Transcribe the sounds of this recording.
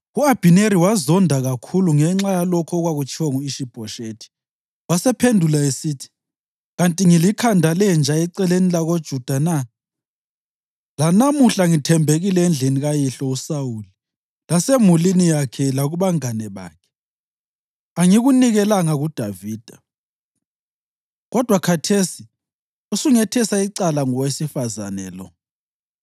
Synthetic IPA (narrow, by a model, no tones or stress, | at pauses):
uab̥ʱineɾiwazɔndʱaɣakʰuluŋɛŋ͡ǁajalɔkʰɔːɣwaɣut͡ʃʰiwaŋuiʃib̥ʱɔʃetʰi̥ | wasɛpʰendʱulaesitʰi̥ | ɣantʼiŋilikʰandʱalɛnd͡ʒʱaiǀɛlenilaɣod̥ʒ̥ʱud̥ʱana | lanamuɬaŋitʰɛmbʱeɣilɛɛnd͡ɮʱiniɣajiɬɔusawuli | lasemulinijakʰɛlaɣuβaŋanɛβa̰ːkʰɛ̥ | aŋiɣuniɣɛlaŋaɣud̥ʱaviːd̥ʱa | ɣɔd̥ʱwakʰatʰesi | usuŋɛtʰɛsaiǀalaŋɔwesifaza̰nɛ̰lɔ̰